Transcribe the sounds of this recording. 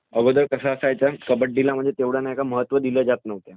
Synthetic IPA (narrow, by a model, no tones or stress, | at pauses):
əɡəd̪əɾkəsaəsajt͡sakəbəʈ̚d̪ilam̤əɳd͡zet̪eʋɽ̤anaekaməɦət̪ːʋəd̪iləːd͡zat̪nəʋt̪ja